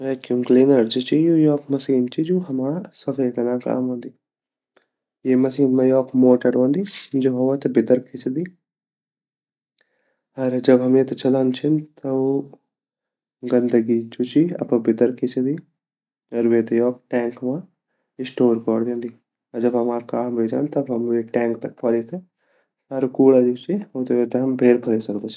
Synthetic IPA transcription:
ʋɛːkumkliːnɐɾd͡ʒit͡ʃijujɔːkmɐsiːnt͡ʃid͡ʒuɦɐmaːsɐfʰeːkɐnaːka̰ːmɦõːnd̪iː | jeːmɐsiːnmɐjɔːkmoːʈəɾõːnd̪iːd͡ʒoɦɐmãt̪ɐbɪd̪əɾkʰɪt͡ʃd̪iː | ɐɾd͡ʒɐbɦɐmjẽːt̪ɐt͡ʃɐlant͡ʃʰɪnt̪ɐo | ɡɐ̃nd̪əɡid͡ʒut͡ʃiɐ̰pãbɪd̪əɾkʰet͡ʃd̪i | ɐɾʋeːt̪jɔːk̚ʈɛ̃ːŋkmã | ɪsʈoːɾkɔːɽd̪ẽːnd̪i | ɐɾd͡ʒɐbɦɐmaːɾkaːmbʱeːd͡ʒã̰ːnt̪ɐbɦɐmʋeʈɛ̃ːŋk̚t̪ɐk̚pʰɔːlit̪e | saːɾokuːɽad͡ʒut͡ʃioːt̪oet̪eɦɐmbʱeːɾpʰɐɾeːsɐɾd̪ot͡ʃʰ

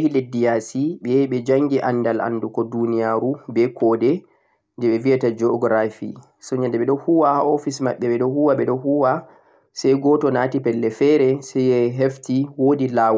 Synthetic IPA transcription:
ɛhiledːijasiɓɛɓɛd͡ʒaŋɡiʔandala̰ndukɔdunijaɾubɛkʰɔdɛ | ndɛɓɛviatad͡ʒɔɡɾafḭ | sɔɲandɛɓɛɗɔhuwahaɔfisma̰ɓːɛɓɛɗɔhuwaɓɛɗɔhuwa | sɛjɡɔtɔnaːtipɛlːɛfɛɾɛsɛjɛɦeftiwoːdilaːwa

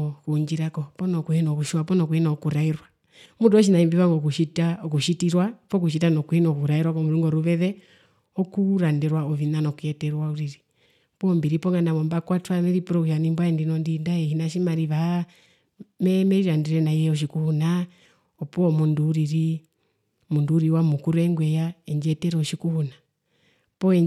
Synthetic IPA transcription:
kuɲd͡ʒiɾakɔpɔnɔkuhɛnɔkuʃiwapɔnɔkuhɛnaɔkuɾaiɾwa | muduɔʃ̬inaimbiβaŋɡɔkuʃitakuʃitiɾwapɔk̬uʃ̬itanɔkuhinɔkuɾaiɾwakɔmuɾuŋɡɔɾuβɛðɛ | ɔkuɾandɛɾwaɔvinanɔkujɛtɛɾwauɾiɾi | pɔːmbiɾipɔŋɡanaβɔmbakwatwamɛɾipɾɔɡanimbɔaɛndinɔndindaɛhinaʃimaɾiβa | mɛmɛɾiɾandɛɾɛnaiɛɔʃ̬ikuhuna | ɔpɔmunduːɾiɾi | munduːɾiwamukuɾɛŋɡwɛjaɛɲd͡ʒɛtɛɾɔʃikuhuna | pɔɛ

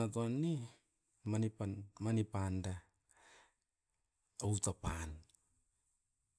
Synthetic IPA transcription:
atoanːi | manipamanipanda | owtapan

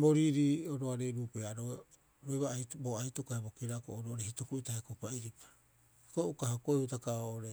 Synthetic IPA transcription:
boɾiɾioɾoaɾeɾuːpeaaɾo | ɾoeβaajboajtokahebokeɾakooɾoɾehitokuitahekopaiɾipḁ | ikoukahokoeutakaoʔoɾe

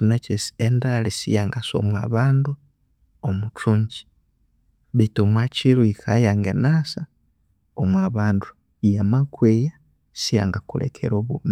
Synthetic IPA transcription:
unet͡ʃesi̥endalisḭjaŋɡaso̰mwaβaːndu | omut͡ʃuɲɟi̥ | βituomwat͡ʃiɾuikʰajaŋɡenasa | omwaβaːndu | ijamakweja | sija̰ŋɡakulḛkʰḛɾoβumi

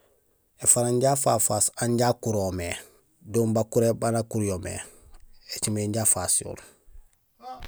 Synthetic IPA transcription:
efaɾaɲɟafaːfaːsaɲɟakuɾome | doːmbakuɾebanakuɾjomḛ | et͡ʃimeɲɟaːfasjo̰ːɾ

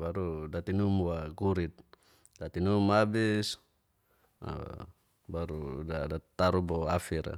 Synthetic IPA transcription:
baɾudat̪inumwaɡuɾit̪̚ | dat̪inumabis | a̰ | baɾudadat̪aɾubɔafiɾa̰

